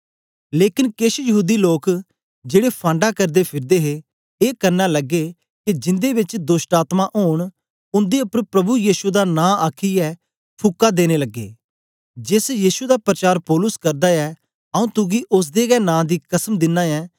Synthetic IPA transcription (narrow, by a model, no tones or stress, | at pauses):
leːkɪnkɪʃjəɦuːd̪iːloːk | d͡ʒeːɽepʰãːɳɖakɐɾd̪epʰɪɾd̪eːɦe | eːkɐɾnalɐɡːe | kid͡ʒɪ̃nd̪ebɪt͡ʃd̪osʈaːt̪maʔoːɽ̃ | ʊ̃nd̪eʊpəɾpɾɐbujiːʃued̪anãːaːkʰiɛː | pʰʊkːad̪eːñeləɡːḛː | d͡ʒɪsjiːsued̪aːpɾət͡ʃaːɾpɔːlʊskɐɾd̪aɛː | ɐũːt̪ʊɡiʔʊs̬d̪eɡɛːnãːd̪iːkəsəmd̪ɪnːaːɛː